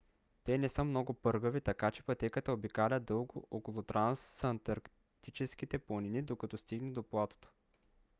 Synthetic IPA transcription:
t̪ɛnɛsɤmnɔɡʊpɤɾɡəvit̪ɐkat͡ʃɛ̥pɐt̪ɛkət̪əobikalʲəd̪ɤlˠɡoʔokolˠot̪ɾansɐnt̪ɐɾk | t̪it͡ʃɛsk̟it̪ɛplˠoninid̪okɐt̪ɔst̪iɡnɛd̪oplˠat̪o̥t̪o̥

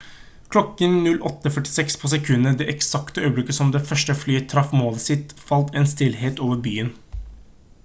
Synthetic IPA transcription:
kʰlɔkːənnʉlʔɔt̪ːəfœʈɪ̥sɛkspʰɔsɛkʰʉnːəd̪ɛʔɛksɑkt̪əœʏblɪkːəsɔmd̪ɛfœʂʈəflyːt̪ʰɾɑfmoːləsɪt̪fɑlt̪ɛnst̪ɪlɦeːt̪oːʋəɾbyːən

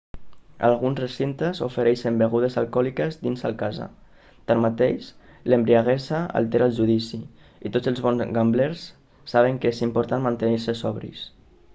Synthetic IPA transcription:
a̰lˠɣunzresint̪ezo̰feɾɛʃembeɣ̞uð̞ezalˠkɔlikəzd̪inza̰lˠkaza̰ | t̪anmat̪eʃ | lembɾiaɣɛsaa̰lˠt̪eɾalʒuðisi | it̪od͡zəlˠzβɔnzɣambleɾsː | aβ̞eŋkəezimpuɾt̪anmant̪əniɾsəsɔβɾḭs

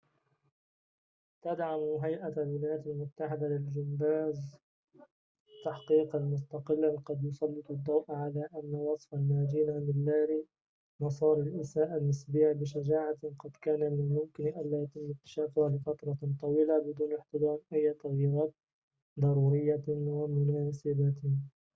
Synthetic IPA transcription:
t̪ad̪ʕamɦajʔalwɪlaːjaːt̪ɪlmʊt̪ːaħɪd̪alɪld͡ʒʊmbaːz | t̪ːaħqiːqɑlmʊst̪ɑqɪlːaqɑd̪jʊsˤɑlːɨt̪ˤɑd̪ˤːɑwʔʕalaːʔanːawɑsˤfalmaːd̪iːnamɪlːaːɾi | mɑsˤɑːɾˤɪlʔɪsaːʔalmɪsbiːʕbɪʃad͡ʒaːʕaqɑd̪kaːnamɪnmʊmkɪnʔallaːjat̪ɪmːɪk̚t̪ːḁʃaːfʊhalɪfat̪ɾˤɑt̪ˤɑwiːlabɪd̪uːnɪħt̪ɪd̪ɑːmʔajːt̪aɣjɪɾˤɑːt̪̚ | d̪ˤɑɾˤuːɾɪjːawamʊnaːsɪba

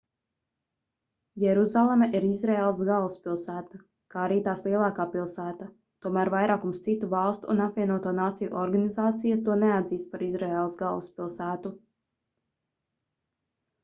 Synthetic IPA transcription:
jɛɾuzalˠemɛʔiɾizɾeːlˠsɡalˠspilˠsæːt̪a | kaːaɾiːt̪aːslˠiɛlˠɑːkaːpilˠsæːt̪a | t̪uɔmæːɾvajɾaːkumst̪sit̪uvɑlˠst̪uːnapvʲiɛnuɔt̪uɔnaːt̪sijuʔɔɾɡanizaːt̪sijat̪uɔnead̪ziːst̪̚paɾizɾɛeːlˠsɡalˠuspilˠsæːt̪u

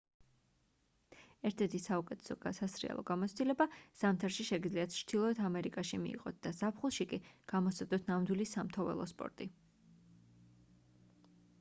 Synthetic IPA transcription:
ɛɾt̪ʰɛɾt̪ʰisaukʼɛt̪ʰɛ̥sɔɡasasɾḭɛ̰lˠɔ̰ɡamɔt̪sʰd̪ʼilɛbaz̥amt̪ʰaɾʃiʃɛɡid̪zliat̪̚ʰt͡ʃʰd̪̥ilˠɔɛt̪ʰamɛɾikʼaʃimḭːqʼɔt̪̚d̪̥azapʰχulˠʃikʼiɡ̥amɔsad̪ɔt̪ʰnamd̪wilisamt̪ʰɔvɛ̰lˠɔ̰spʼɔ̰ɾt̪ʼi

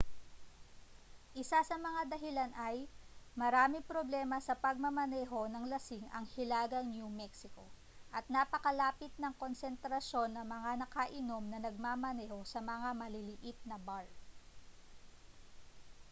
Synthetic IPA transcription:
ʔɪsasɐmɐŋad̪ɐɦɪlanʔɐjmɐɾaːmɪpɾoblɛːmɐsɐpɐɡ̚mɐmɐnɛːɦo̞nɐŋlɐsɪŋɐ̰ŋhɪlaːɡɐŋnjumɛksɪko̞ | ʔɐt̪̚napɐkɐlaːpɪt̪̚nɐŋko̞nsɛnt̪ɾɐʃo̞nːɐŋmɐŋanɐkaʔɪno̞mnɐnɐɡ̚maːmɐnɛːho̞sɐmɐŋamɐlɪlɪʔɪt̪̚nɐbaɹ

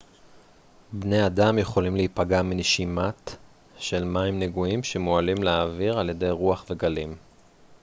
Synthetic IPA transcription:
bne̞jadamjeχo̞limlehipaɡamineʃimat | ʃe̞lmaimneɡuimʃemoalimleaviʁalje̞dejʁuaχve̞ɡalim

